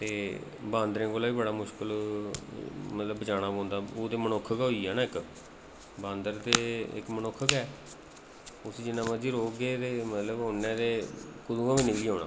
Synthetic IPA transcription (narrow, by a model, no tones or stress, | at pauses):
t̪eː | baːnd̪ɾẽːkoːlaːiːbəɽaːmʊʃkəl | mət̪ləbət͡ʃaːɽ̃aːbõːnd̪aːoːd̪eːmənokʰːəkːɦoiːɛːnaːɪk | bãːnd̪əɾd̪eːɪ̰kmənokʰːəkɛː | ʊsiːd͡ʒɪnːãːmãd͡ʒiːɾoːɡeːt̪eːmət̪ləbɦoːneːd̪eːkʊd̪uːãːʋiːnɪkliːɦoːɳ̃na̰ː